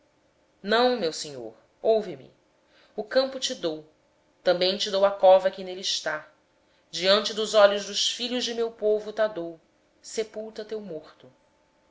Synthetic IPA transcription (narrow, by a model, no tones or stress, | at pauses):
nɐ̃w̃mewseɲo̰ɾ | owvɪmɪ̰ | ʊkɐ̃mpʊt͡ʃɪd̪ow | t̪ɐ̃mbẽj̃t͡ʃɪd̪owɐkɔvɐkɪneliiʃt̪a | d͡ʒiɐ̃nt͡ʃɪd̪ʊzɔʎʊzd̪ʊʃfiʎʊʒd͡ʒɪmewpovʊt̪ad̪ow | sepuwt̪ɐt̪ewmoχt̪ʊ